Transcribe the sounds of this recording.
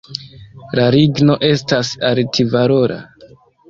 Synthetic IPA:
laɾiɡno̞ʔe̞stasaltʰivaɾo̞ɾʔa̰

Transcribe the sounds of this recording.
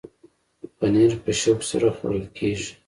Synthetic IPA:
paneɾpəʃaɡsa̰ɾaxo̰ɾəlkʰeʒi

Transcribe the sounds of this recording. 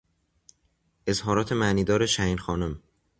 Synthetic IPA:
ʔe̞zhɒːɾɒːt̪ʰe̞mæʔniːd̪ɒːɾeʃæiːnxɒːnum

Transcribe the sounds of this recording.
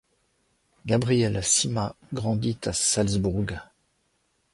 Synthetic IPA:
ɡabʁijɛlsima | ɡʁɑ̃d̪it̪asalzbuʁɡ

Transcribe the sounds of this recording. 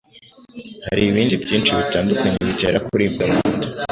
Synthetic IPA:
ha̰ɾiːβiːndibɟiːnt͡ʃiβitaːndukaɲeβiɟḛːɾakuɾiːmɡamuːndu

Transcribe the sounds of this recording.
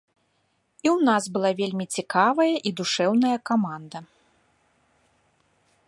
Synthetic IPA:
iwnazbɨlˠavʲelʲmʲit͡sʲikavɐjɐʔid̪uʂɛwnɐjɐkamand̪ɐ

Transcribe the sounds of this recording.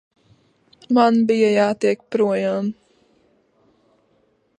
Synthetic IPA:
manbijajaːt̪iɛk̚pɾuɔjaːm

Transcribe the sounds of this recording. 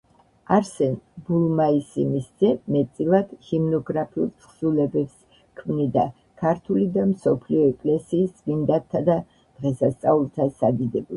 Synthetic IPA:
aɾsɛnbulˠmaisimisz̥ɛmɛt̪sʼilˠad̪̥himnɔɡɾapʰiṵlt̪ʰχz̥ulɛbɛps | kʰmnid̪a | kʰaɾt̪ʰulid̪amsɔpʰliɔɛkʼlɛsiːsvind̪at̪ʰːad̪a | d̪̥ʁɛsast̪sʼaulˠt̪ʰasad̪id̪ɛb

